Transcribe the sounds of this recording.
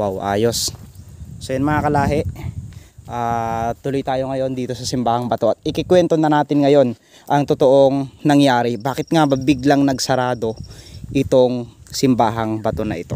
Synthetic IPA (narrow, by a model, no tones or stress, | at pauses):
wawʔa̰ːjo̞sː | ojʊnmɐŋakɐlaːɦɛʔ | ʔaːt̪ʊlojt̪aːjo̞ŋɐjo̞nd̪iːt̪o̞sɐsɪmbaːhɐŋbɐt̪o̞ʔɐt̪̚ɪkɪkwɛnt̪o̞nɐnaːt̪ɪnŋɐjo̞n | ʔɐŋt̪ot̪o̞ʔo̞ŋnɐŋjaːɾɪbaːkɪt̪̚ŋabɐbɪɡlɐŋnɐɡsɐɾaːd̪o̞ʔɪt̪o̞ŋsɪmbaːɦɐŋbɐt̪o̞nɐʔɪt̪o̞̰